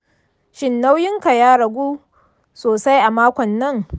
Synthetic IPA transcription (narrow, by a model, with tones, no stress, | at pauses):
ʃɪ˨nːa˦wjɪ˦ŋka˨jaː˦ɽɐ˨ɡʷuː˦ | soː˨sa˦jʔa˨maː˦kʷɔ˨nːɐ˦˨ŋ